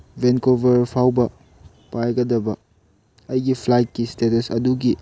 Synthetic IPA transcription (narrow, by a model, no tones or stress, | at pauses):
benkobɐɾpʰawbɐ | pajɡɐdɐbɐ | ɐjɡipʰlajt̚kistetɐsɐ̰duɡi